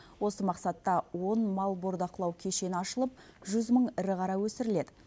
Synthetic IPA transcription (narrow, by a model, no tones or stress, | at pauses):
wo̞səmɑqsɑt̪ːɑwo̞nmɑlˠboɾd̪ɑqlˠɑwkʲʰe̞ʃe̞nɪɑʃəlˠəp̚ʒʏzməɴɪɾɪqʰɑɾɑwɵsɪɾɪle̞d̪ɪ